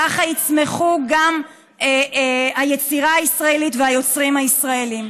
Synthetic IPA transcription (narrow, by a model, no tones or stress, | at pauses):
aχait͡sme̞χuɡam | eaje̞t͡siʁaaisʁae̞litveajo̞t͡sʁimhaisʁae̞lim